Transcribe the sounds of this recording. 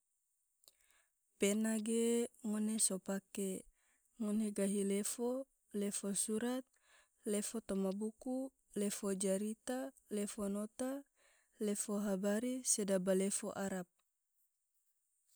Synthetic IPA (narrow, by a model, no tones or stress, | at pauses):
penaɡeŋɔnesopake | ŋɔneɡaɦilefo | lefosuɾat̪̚ | lefot̪ɔmabuku | lefod͡ʒaɾit̪a | lefonot̪a | lefoɦabaɾisedabalefoʔaɾap̚